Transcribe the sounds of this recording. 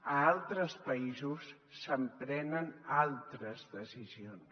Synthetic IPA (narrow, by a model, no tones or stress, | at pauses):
əalˠt̪ɾəspəizusː | əmpɾɛnənalˠt̪ɾəzðəsizions